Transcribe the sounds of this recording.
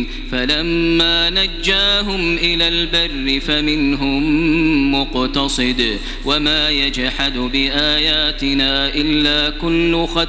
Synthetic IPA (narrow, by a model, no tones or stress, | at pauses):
falamːaːnad͡ʒːaːɦʊmʔɪlaːlbarːɪfamɪnɦʊmːʊqt̪ɑsˤɨd̪ | wamaːjad͡ʒħad̪bɪʔaːjaːt̪ɪnaːʔɪlːaːkʊlːʊxɑ